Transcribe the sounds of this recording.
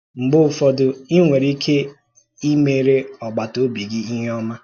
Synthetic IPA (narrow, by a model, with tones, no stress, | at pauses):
ŋ͡m̩˨ɡ͡bʊ˦˨fɔ˨dʊ˨i˦ŋʷe˨ɾi˦kʰe˦ | i˦me˦˨ɾe˦ɔ˨ɡ͡ba˨to˦bi˨ɡɪ˦i˦ɦɔ˦ma˦